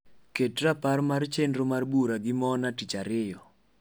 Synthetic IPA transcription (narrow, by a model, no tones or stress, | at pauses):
ketraparmart͡ʃendɾomarbuɾaɡɪmɔnatit͡ʃaɾɪjɔ